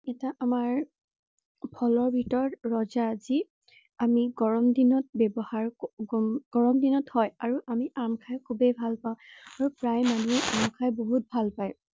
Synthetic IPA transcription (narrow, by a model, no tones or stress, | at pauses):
ɛtaʔamaɹ | pʰɔlɔɹbʱitɔɹːɔzaːzi | amiɡɔɹɔmdinɔt̚bɛbɔhaɹɡɡ̥ɔɹɔmdinɔthɔjaɹuʔamiʔaɹmkʰajkʰubebʱalpaʊ̃aɹupɹajmanuɛʔaɹmkʰajboɦut̚bʱalpaj